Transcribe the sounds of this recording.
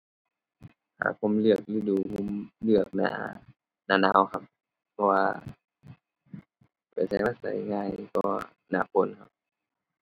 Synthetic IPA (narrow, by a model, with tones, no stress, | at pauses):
ha̰ː˧˨˩pʰo˧˥˦mlɯ˧˩ək̚liː˧˦duː˧˩pʰu˧˥˨mlɯ˧˩ək̚na̰ː˧˦ | naː˧˨naː˧˥˨wkʰa˧p̚ | pʰːɔ˧waː˧ | pa˨˩sa˧˦jma˧˥sa̰˨˦jŋaː˧˩˨jkɔː˧˩ | na̰ː˧˨pʰo˧˥˨nkʰa˧˩w